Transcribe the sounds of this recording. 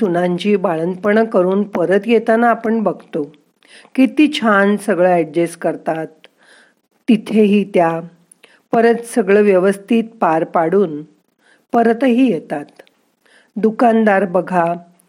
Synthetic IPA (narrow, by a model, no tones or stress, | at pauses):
unãɲt͡ɕiːbaɭənd̪pəɳəkəɾuːnpəɾət̪jet̪anaːpəɳbəɡʱt̪o | kit̪iːt͡ɕʰansəɡɭaɛɖd͡ʑeskəɾt̪at̪ː | it̪ʰeɦiːt̪ja | pəɾət̪səɡɭəʋjəʋəst̪ʰiːt̪̚paɾpaɽuːn | pəɾt̪ɦiːjet̪at̪ | d̪ukand̪aɾbəɡʱa